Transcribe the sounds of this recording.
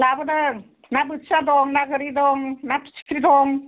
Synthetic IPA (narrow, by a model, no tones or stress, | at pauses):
labɯdɯ | nabɯtsadɔŋnaɡɯɾidɔŋnatu̥t͡ʃi̥kʰɾidɔŋ